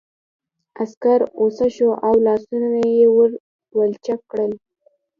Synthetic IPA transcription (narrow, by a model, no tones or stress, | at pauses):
askaɾosaʃoʔawlɑsunaajewəɾ | wəlt͡ʃakːɽəl